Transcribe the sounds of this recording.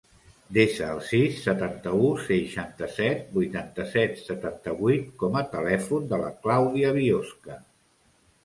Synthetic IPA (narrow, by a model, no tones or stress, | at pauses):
d̪eʃəːlˠsisːət̪ant̪əusəʃant̪əsɛt̪̚bujt̪ant̪əsɛt̪sət̪ant̪əβujt̪kɔmət̪əlɛfund̪ələ̰klawðiəβioskə